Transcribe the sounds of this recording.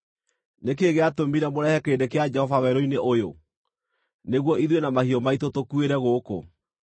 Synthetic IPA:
nek̬eɣeatomiɾamoɾɛhɛkeːndekead͡ʒɛhɔvawɛɾoineʔojo | neɣwɔiðwenamahiɔmaitotokueɾɛɣoːko̰

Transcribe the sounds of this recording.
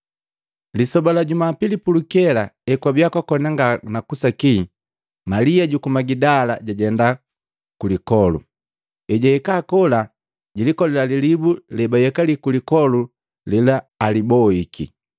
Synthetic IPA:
lisɔbalaɟumapilipulukɛlaɛkwabjakwakɔnaŋɡanakusaki | maliaɟukumaɡidalaɟaɟɛnda | kulikɔlṵ | ɛɟaɛkaːkɔla | ɟilikɔlɛlalilibulɛbajɛkalikulikɔlu | lilaː | libɔikḭ

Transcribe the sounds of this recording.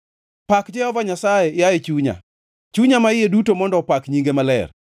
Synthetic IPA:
pakd͡ʒɛhɔvaɲasajejajet͡ʃuɲa̰ | t͡ʃuɲamaɪjedutomɔndɔpakɲiŋɡemalɛ̰r

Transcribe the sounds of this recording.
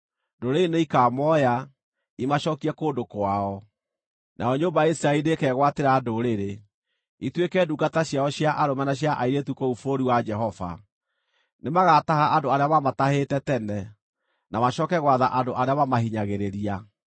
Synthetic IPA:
ndoɾeneikaːmɔja | imaɕɔːkiɛkoːndokwaɔ | nʔa̰ɔɲoːmbajaisɾainekɛːɣwateɾadoɾeɾe | itwekɛːduɡataɕjaɔɕjaʔaɾomanaɕ̬jaʔaiɾetukoufoɾiwad͡ʒɛɦɔva̰ | nemaɣatahaʔandoaɾeamamatahetɛtɛnɛ | namaɕɔkɛɣwaðaʔandoʔaɾeamamahiɲaɣeɾeɾia

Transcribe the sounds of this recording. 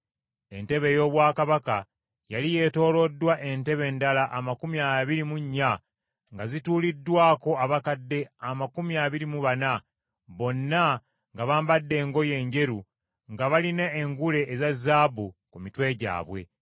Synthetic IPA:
e̞̰nte̞βe̞jo̞ːβwaːkaβaka | jalije̞to̞ːlo̞dːwaʔe̞nte̞βe̞ːndalaʔamakumiaβiɾimuɲːa | ŋɡazituːlidːwaːko̞aβakadːe̞amakumiaβiɾimuβana | βo̞nːa | ŋɡaβaːmbadːe̞ːŋɡo̞je̞ːɲɟe̞ɾu | ŋɡaβalineːŋɡule̞ʔːzazaːbukumitwe̞ːɟa̰ːβwe̞̰

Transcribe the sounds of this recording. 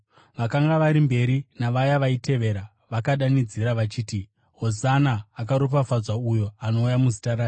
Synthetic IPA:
ʋakaŋɡaʋaɾimbe̞ɾinaʋajaʋaite̞ʋe̞ɾa | ʋakaɗanid͡ziɾaʋat͡ʃiːti | ɦozanaːkaɾop̬afad͡zaujo̞ano̞ujamuzitaɾaː

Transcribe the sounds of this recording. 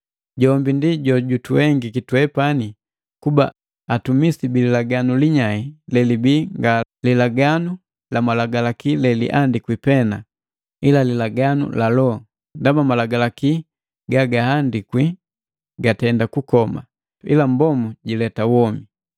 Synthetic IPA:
ɟɔmbindiɟɔɟutuwɛŋɡikitwɛpani | kuba̰ː | tumisibililaɡanuliɲailɛlibiŋɡalilaɡanu | lamalaɡalakilɛlḭʔandikwipɛna | ilalilaɡanṵlalɔ | ndamamalaɡalaki | ɡaɡahandikwi | ɡatɛndakukɔma̰ | ḭlambɔmuɟilɛtawɔmi

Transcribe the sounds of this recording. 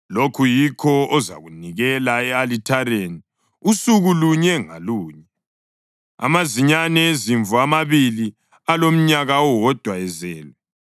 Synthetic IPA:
lokʰujikʰɔɔza̰ɣuniɣɛlaɛalitʰaɾeni | usuɣuluɲɛŋa̰luːɲɛ | a̰maziɲanɛeziɱvuamaβili | alom̩ɲaɣaɔwɔd̥ʱwaɛzɛːlɛ

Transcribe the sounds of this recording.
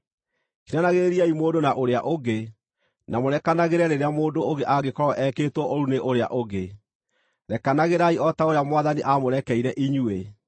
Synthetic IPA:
kinanaɣeɾiaimoːdonaʔoɾeaʔoɡe | namoɾɛkanaɣeɾɛɾeɾeamoːdooɡeʔaɡekɔɾɔʔɛkeːtwɔʔoɾuneʔoɾea̰ʔoɣe | ɾɛkanaɣeɾaiɔtaoɾeamwaðaniʔamoɾɛkɛiɾɛʔiɲue

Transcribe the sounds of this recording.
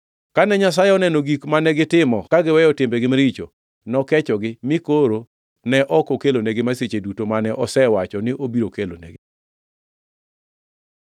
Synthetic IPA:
kanɛɲas̬ajɛɔnɛnoɡikmanɛɡɪtɪmɔkaɡɪwɛjɔtɪmbɛɡɪmɾit͡ʃo̰ | nɔkɛt͡ʃɔɡɪmɪkoɾo | nɛʔɔkokeloneɡɪmaset͡ʃedutomanɛʔɔsɛwat͡ʃɔnɪʔobiɾokelo̰nḛɡɪ

